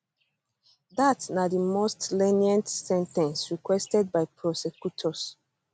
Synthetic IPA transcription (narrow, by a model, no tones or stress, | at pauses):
datnadimostlɛniɛ̃ntsɛ̃ntɛ̃nsɹikwɛstɛd̚baɪpʰɹɔsɛkjutʰɔs